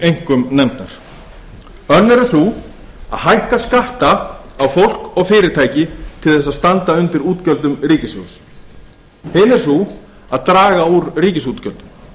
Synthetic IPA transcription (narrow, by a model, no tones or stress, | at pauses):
ejŋ̥kʏmnɛmt̪aɾ̥ | œnːɛɾsu | a̰ðɦajhkaskaht̪aːwfowl̥kɔɣfɪːɾɪɾt̪ʰaːjcɪt̪ʰɪlθɛs̬ːaðst̪ant̪aʏnt̪ɪɾuːt̪cœlt̪ʏmriːcɪsvʏ̰ɣs | hɪnɛɾ̥su | aðt̪ɾaːɣauɾriːcɪsut̪cœlt̪ʏm